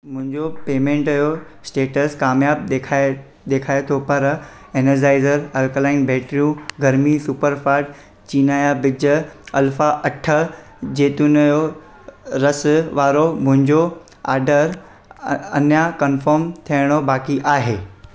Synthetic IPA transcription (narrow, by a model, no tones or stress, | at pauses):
mʊ̃ɦɪ̃ɲd͡ʑopeːmẽːɳʈɐjosʈeːʈəskaːmjaːb̚ekʰaːe | d̪eːkʰaːet̪ʰopɐɾ | eːnəɾd͡ʑaːɪzəɾɐlklaːɪnbɛːʈɾijũɡʱɐɾmisupəɾfaːɾʈ̚ | t͡ɕiːnaːjabɪd͡ʑəɐlfaʔɐʈʰə | d͡ʑeːt̪ʊnəjo | ɾɐsʋaːɾomʊ̃ɦɪ̃ɲd͡ʑo | a̰ːɾɖəɾ | ɐ̰njakɐnfəɾmt̪ʰiəɽ̃obaːkiʔaːɦeː